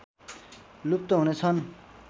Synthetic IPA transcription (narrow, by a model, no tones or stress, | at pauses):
lup̚t̪ʌɦunet͡sʰʌn